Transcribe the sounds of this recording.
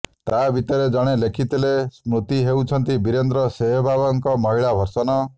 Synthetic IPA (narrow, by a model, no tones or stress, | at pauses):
t̪abʱit̪ɔɾed͡ʒɔɽ̃elekʰit̪ilesmɾut̪iɦewt͡ʃʰɔnt̪ibiɾend̪ɾɔseɦɔbʱabɔŋkɔmɔɦiɭabʱɔɾsɔnɔ